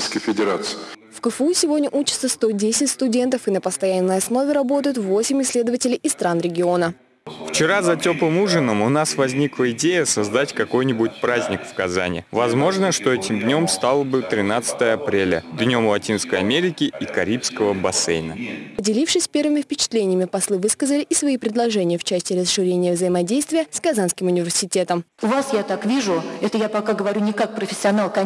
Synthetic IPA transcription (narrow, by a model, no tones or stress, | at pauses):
jskəjfʲɪdʲɪɾat̪sɨfkəfəusʲɪvodʲnʲəʔut͡ɕɪ̥t̪səst̪o̞dʲesʲɪtʲst̪ʊdʲe̞nt̪əfɨnəpəst̪ɐjanːəjɐsno̞vʲɪɾɐbo̞t̪əjʊt̪vo̞sʲɪmʲɪsʲlʲe̞d̪əvətʲɪlʲɪjʔɪst̪ɾanɾʲɪɡʲɪo̞nə | ft͡ɕɪɾazɐtʲo̞plˠɨmuʐɨnəmʊnasvɐzʲnʲiklˠəɪdʲejəsɐzd̪atʲkɐko̞jnʲɪbʊtʲpɾazʲnʲɪkfkɐza̰nʲɪ̰vɐzmo̞ʐnəʂt̪o̞ɛtʲɪmd̪nʲo̞mst̪alˠəbɨt̪ɾʲɪnat̪sɨ̥t̪əjəɐpɾʲelʲə̰d̪nʲo̞mlˠɐtʲinskəjɐmʲeɾʲɪkʲɪikɐɾʲipskəvəbɐsɛ̰jnəpədʲɪlʲifʂɨsʲpʲe̞rvɨmʲɪfpʲɪt͡ɕɪ̥t̪lʲenʲɪjəmʲɪpɐslˠɨvɨskəzəlʲɪʔɪsvɐipɾʲɪd̪lˠɐʐɛnʲɪjəft͡ɕæsʲtʲɪɾəsʂɨɾʲenʲɪjəvzəjɪmɐdʲejst̪vʲɪjəskɐzanskʲɪmʊnʲɪvʲɪrsʲɪtʲe̞t̪əmʊvasjat̪akvʲiʐʊɛt̪əjapɐkaɡəvɐɾʲunʲɪkak̚pɾəfʲɪ̥sʲːɪɐnalˠkɐ